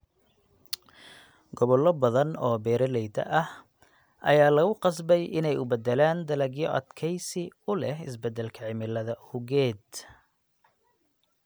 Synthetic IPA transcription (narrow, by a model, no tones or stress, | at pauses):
ɡɔβɔlːɔbɐðɐnɔːbɛːɾɐlɛjd̪ɐ̰ʔɐh | ʔɐ̰jaːlɐɣʊqɑsbɛjɪnɛjʊbɛd̪ɛlaːnd̪ɐlɐɡjɔʔɐ̰d̪kʰɛjsɪʊlɛɦɪ̰sbɛd̪ɛlkʰɐʕɪmɪlːɐðɐhʊɣɛːd̪